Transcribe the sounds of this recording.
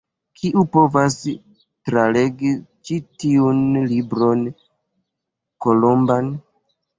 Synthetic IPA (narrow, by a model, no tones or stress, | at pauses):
kʰiʔupo̞vas | tɾale̞ɡit͡ʃitiunlibɾo̞n | ko̞lo̞mban